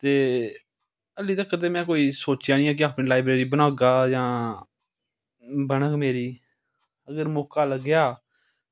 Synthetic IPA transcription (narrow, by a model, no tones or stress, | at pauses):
t̪eː | əliːt̪əkːət̪̬eːmɛ̃ːkoːiːsoːt͡ʃjaːnĩːɛ̃ːk̬ɪaːpniːlaːɪbɾeːɾiːbənaːɡaːjãː | bəɳəkmeːɾiː | əɡəɾmɔːkaːləɡjaː